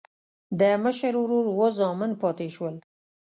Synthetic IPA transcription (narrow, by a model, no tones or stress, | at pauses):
d̪əməʃəɾwɾoɾwozɑmɪnpɑt̪eʃwəl